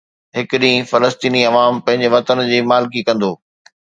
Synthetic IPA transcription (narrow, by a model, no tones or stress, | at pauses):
ɦɪkɪɗĩːfɐləst̪iːniɐʋaːmpɐ̃ɦɪ̃ɲd͡ʑeʋɐt̪ənd͡ʑiːmaːlk̬ikɐ̃nd̪oː